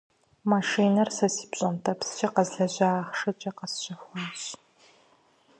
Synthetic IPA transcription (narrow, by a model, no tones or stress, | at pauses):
maʂiːnɐrsɐsi̥ːpɕʼɐntʰɐpst͡ʃʰʼɐqɐzɮɐʑɐaːχʂɐt͡ʃʼɐqɐsɕʼɐxʷɔɕ